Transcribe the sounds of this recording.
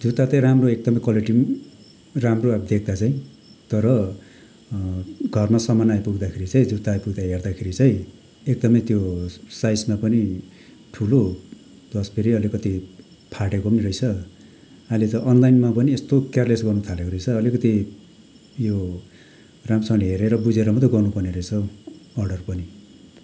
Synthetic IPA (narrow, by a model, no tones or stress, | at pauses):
d͡zut̪at͡saĩramroek̚d̪ʌmʌjkwaliʈim | ramroad̪ek̚ʰd̪at͡saĩ | t̪ʌɾʌ | ɡʱʌrmasʌmanajpuɡd̪akʰeɾit͡saĩd͡zut̪ːaːjpuɡd̪aɦerd̪akʰeɾit͡saj̃ | ek̚d̪ʌmʌjt̪josajsmapʌni | ʈʰulo | d̪̥ʌspʰiɾiʌlikʌt̪i | pʰaʈekopʌniɾʌjt͡sʰʌ | alet͡sʌʔʌnlajnmapʌniest̪okarlesɡʌrnut̪ʰalekoɾʌjt͡sʰʌːlikʌt̪i | jo | ramsʌŋleɦeɾeɾʌbud͡zeɾʌmʌt̪ʌɡʌrnupʌrneɾʌjt͡sʰʌʌrɖʌrpʌni